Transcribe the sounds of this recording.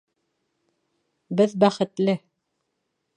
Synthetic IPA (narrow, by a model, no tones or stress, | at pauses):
bɘðbæχɘ̆t̪lɘ